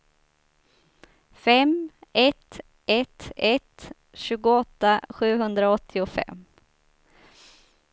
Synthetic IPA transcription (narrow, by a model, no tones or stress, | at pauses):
fɛmɛt̪ | ʔɛt̪ɛt̪ | ɕʉ̟ːɡʊɔt̪ːaɧʉ̟ːɦɵnd̪ɾaɔt̪ʰːɪʊfɛ̰mː